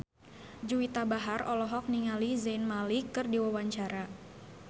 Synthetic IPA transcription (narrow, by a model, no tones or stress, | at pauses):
d͡ʒuwit̪abaɦarɔlɔɦɔk̚niŋalizainmalikɨrdiwawaɲt͡ʃaɾa